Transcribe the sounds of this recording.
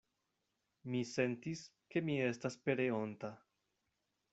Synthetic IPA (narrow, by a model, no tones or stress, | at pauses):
mise̞ntis | ke̞mie̞staspe̞ɾeo̞nta